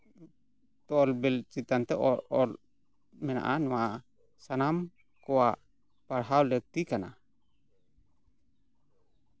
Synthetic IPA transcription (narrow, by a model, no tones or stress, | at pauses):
t̪ɔɔlbɛlt͡ʃit̪ant̪ɛʔɔɔl | mɛna̰ʔanwa | sanam | koa | paɾɦawlək̚t̪ikana